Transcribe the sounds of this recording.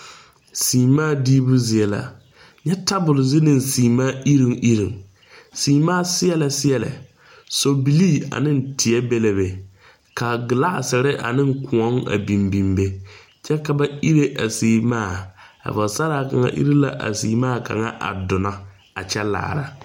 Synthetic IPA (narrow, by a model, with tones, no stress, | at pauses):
siː˨maː˦˨diː˦bʊ˦zɪ˨ɛ˨˦la̰˨ | ɲɛ˦ta˦bʊ˨lzɪ˦nɪ˦˨n˨siː˨maː˦ʔi˦ɾi˦ŋʔi˦ɾi˨ŋ | siː˨maː˦sɪ˦ɛ˦la˨sɪ˦jɛ˨lɪ̰˨ | so˨bi˨liː˦˨a̰˨nɪ˦n̩˨tʰɪ˨ɛ˦bɛ˦le˦be˨ | ka˨ɡɪ˨la˦ʔsɪ˨ɾɪ˦ʔa̰˨nɪ˦ŋ˦kʰʊ˨ɔ˦ŋa̰˨bi˨mbi˨mbe˦ | t͡ʃɛ˦ka˨ba˦i˦ɾe˦ʔa˨siː˨maː˦˨a̰˨vsa˦ɾa˨ka˨ŋa̰˨ʔḭ˦ɾi˦la̰˨ʔa̰˨siː˨maː˦˨ka̰˨ŋa˦ʔa̰˨dʊ˨na˦ | a˨t͡ʃɛ˦la̰ː˨ɾa˨